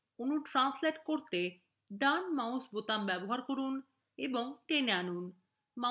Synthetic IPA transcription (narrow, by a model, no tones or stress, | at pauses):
onuʈɾansleʈkoɾt̪e | ɖanmawsbot̪ambɛboɦaɾkoɾun | eboŋʈenanun | ma